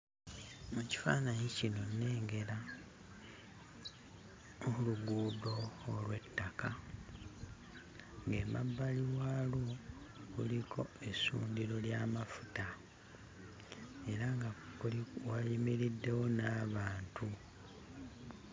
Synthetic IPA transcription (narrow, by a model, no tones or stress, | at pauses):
eci̥fa̰ːnaɲicino̞nːe̞ːŋɡe̞la | ouluɡuːdo̞ːlwe̞tːaka | ŋɡe̞ːma̰bːaliwaloɣulikʰo̞e̞sṵːndiɾo̞ljaːmafu̥ta | e̞ɾaŋɡauwajimiɾidːe̞wo̞naːβaːntu